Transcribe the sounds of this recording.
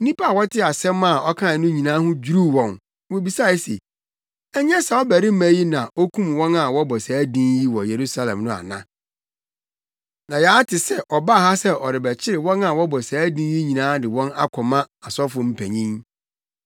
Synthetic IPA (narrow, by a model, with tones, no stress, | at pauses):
n̩˦nĩ˦pʰa˦˨wɔ˦tʰɪ˦a˨sɛ̃˦ma˨ɔ˦kʰã˦˨nʊ̃˦ɲĩ˨nã˦hʊ̃˦d͡ʑu˦ɾu˦˨wɔ̃˨n | wo˨bi˨sa˦˨˦sḛ˨ | ɛ˦ɲ˦ɛ̃˦sa˨ɔ˦bæ˨ɾɪ˦mæ̃˨˦ji˦nã˨o˦kʰũ˦mwɔ̃˦na˨wɔ˦bɔ˨sæː˨˦dĩ˦nji˦wɔ˨je˨ɾu˦sa˦lɛ̰̃˨mnʊ̃˦a̰˨nã˦ | nã˨ja˨˦tʰɪ˨sɛ˦ʔɔ˨ba˦˨ha˦sɛ˦ʔɔ̰˨ɾɪ˨bɛ˨t͡ɕʰɪ˦ɾɪ˨wɔ̃˦na˨wɔ˦bɔ˨saː˨˦dĩ˦n˦ji˦ɲĩ˨nãː˦dɪ˨wɔ̃˦na̰˦kʷʰɔ˨mã˦ | a˨sɔ˦fʊ̃˨m̩˦pʰæ̃˨ɲĩ˦ŋ